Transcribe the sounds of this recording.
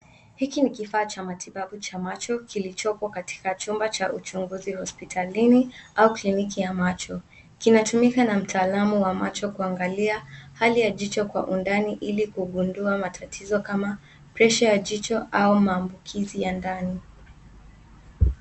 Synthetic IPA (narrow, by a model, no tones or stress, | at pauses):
hikinikifaːt͡ʃamatʰiɓaɓut͡ʃamat͡ʃɔkilit͡ʃɔpɔkati̥kat͡ʃumbat͡ʃaʔut͡ʃuŋɡuzihɔspitʰaliniauklinikijamat͡ʃɔ | kinatumikanam̩tʰaːlamuwamat͡ʃɔkuaŋɡaliahalijaʄit͡ʃɔkwa̰ʔundaniʔilikuɠunduamatʰatʰizɔkama | pɾɛʃajaʄit͡ʃɔʔaumaːmbukʰizijandani